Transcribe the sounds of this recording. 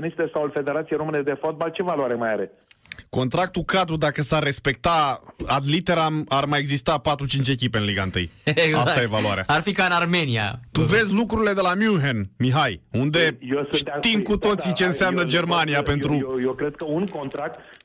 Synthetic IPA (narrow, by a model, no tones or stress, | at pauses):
nist̪esaulfe̞d̪eɾat̪siejɾomɨned̪e̞fot̪̚balt͡ʃe̞valuaɾemajaɾe | ko̞nt̪ɾak̚t̪ukad̪ɾud̪akəsarːe̞spe̞k̚t̪aad̪lit̪e̞ɾamarmajeɡzist̪apat̪ɾut͡ʃint͡ʃʲe̞k̬ʲipe̞ɨnliɡaɨnt̪ɨ̰jɡast̪ajevaluaɾea̰arfikaɨnarme̞nia̰t̪uve̞zʲlukɾuɾile̞d̪e̞lamjuɦenmiɦajund̪e̞jesd̪at̪imkut̪o̞t̪sit͡ʃe̞ɨnseammnəd͡ʒe̞rmaniape̞nt̪ɾujekɾed̪̚kəunko̞nt̪ɾak̚t̪